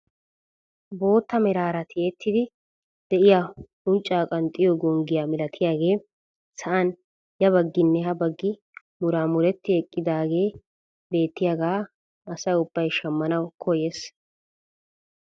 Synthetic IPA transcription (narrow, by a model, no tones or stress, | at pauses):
bo̞ːt̪ːɐmɛɾaːɾɐt̪ɪeːt̪ʰːɪd̪ɪ | d̪̥ɛʔɪja | ʊnt͡ʃʼːaːkʼɐnt̪ʼɪjɔɡɔŋɡɪjaːmɪlɐt̪ʰɪjaːɡe̞ː | sɐʔɐn | jɐbɐɡːɪnːɛhɐbɐɡːɪ | mʊɾaːmʊɾɛt̪ːɪɛkʼːɪd̪aːɡe̞ː | be̞ːt̪ːɪjaːɡaː | ɐsɐjʊb̥ːɐjʃɐmːɐnɐwkʰɔjes